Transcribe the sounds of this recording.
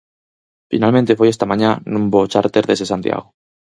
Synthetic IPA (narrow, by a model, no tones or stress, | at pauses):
finalmẽnt̪efojest̪amãɲanũmbot͡ʃaɾt̪eɾðesesant̪j̰a̰ɣo